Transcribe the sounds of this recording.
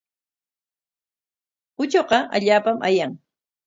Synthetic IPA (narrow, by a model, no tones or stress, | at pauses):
ʊt͡ʃoqɑʔa̰ʎaːpamʔa̰jaŋ